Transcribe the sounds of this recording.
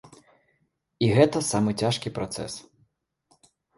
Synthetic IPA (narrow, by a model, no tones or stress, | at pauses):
iɣɛt̪ɐsamɨt͡sʲaʂkʲipɾat̪sɛ̰s